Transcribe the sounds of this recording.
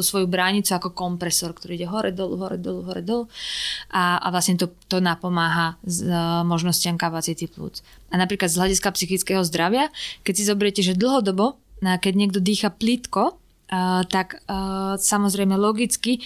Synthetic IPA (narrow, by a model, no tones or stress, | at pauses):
usʋɔjubɾaɲit͡suakɔkɔmpɾɛsɔɾkt̪ɔɾiiɟɛɦɔɾɛd̪ɔlṵɦɔɾɛ̰d̪ɔluɦɔɾɛ̰d̪ɔluʔaa̰ʋlasɲɛt̪ɔt̪ɔnapɔmaːɦazmɔʒnɔscɪamkapat͡sit̪iplṵt͡s | anapɾiːklad̪zɦlaɟiskapsixit͡skɛɦɔzd̪ɾaʋɪakɛcsizɔbɛɾɛcɛʒɛd̪l̩ˠɦɔd̪ɔbɔ | nakɛɟɲɪɛɡ̚d̪ɔd̪iːxaplit̪kɔ | t̪akː | samɔzɾɛɪmɛlɔɡit͡ski